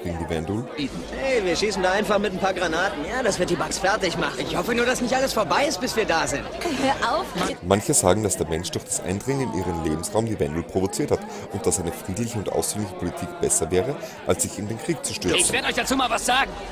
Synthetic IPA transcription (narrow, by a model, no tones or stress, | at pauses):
ʁɪɡŋəndiːvɛndulb̥iːtn̩hɛɪviːɐʃiːsn̩daːʔaɪnfaχmɪtnpʰaːɐɡʁanaːtn̩jaːd̥asv̥ɪɐt̚d̥iːbaksfɛɐtɪçmaχɪçhɔfənuːɐdasnɪçtʔaləsfoːɐbaɪɪst̚b̥ɪsv̥iːɐdaːzɪnthøːɐʔaʊfmançəzaːɡŋ̩d̥asd̥eːɐmɛnʃd̥ʊɐχd̥asʔa̰ɪndʁɪŋənɪnʔiːʁəmleːbm̩sʁaʊmdiːvɛndulpʁ̥ovot͡siːɐthat | ʊnt̚d̥asaɪnəfʁ̥iːdlɪçəʊntʔa̰ʊsfyːnlɪçə̥pʰolitʰiːkb̥ɛsɐvɛːʁəʔalsz̥ɪçɪndeːnkʁ̥iːk̚t͡su̥ʃtʏɐɪsvveɐdəɔʏçd̥at͡suːmaːlvasz̥aːɡŋ̩